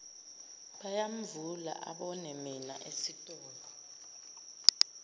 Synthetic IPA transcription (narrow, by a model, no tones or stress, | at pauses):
ɓajam̩vula̰ʔa̰ɓɔnɛmina̰ʔesitʼɔːlɔ